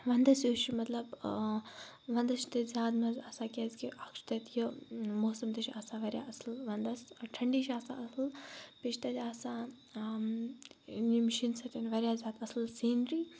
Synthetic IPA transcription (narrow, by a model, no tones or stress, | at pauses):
ʋɐnd̪ɐsjoːʃimɐt̪lɐb | ʋɐnd̪ɐʃt̪ɐzʲaːd̪mɐzaːsaːkʲezkiʔɐkʃt̪ɐt̪jimoːsɐmt̪ɐʃʰiaːsaʋɐɾʲjaɐslʋɐnd̪ɐsʈʰɐɳɖiːʃʰaːsa̰ɐslpiʃʰt̪ɐt̪aːsa | nimʃinsɐt̪ʲɐnʋɐɾʲjaːzʲaːd̪ɐslsiːnɾiː